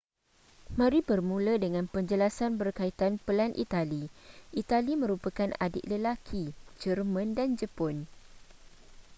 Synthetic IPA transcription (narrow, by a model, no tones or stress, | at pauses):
mãɾibərmũlədəŋãnpəɲd͡ʒəlasanbərkait̪anpəlanʔḭt̪aliʔit̪alimə̃ɾupakanʔa̰dɪ̰ʔ̪̚ləlakʰid͡ʒərmə̃ndand͡ʒəpɔn